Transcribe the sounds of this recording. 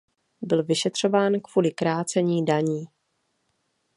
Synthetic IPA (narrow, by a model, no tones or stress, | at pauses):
bɪlvɪʃɛt̪r̝̥o̞vaːnkv̥uːlɪkɾaːt͡sɛɲiːdaɲiː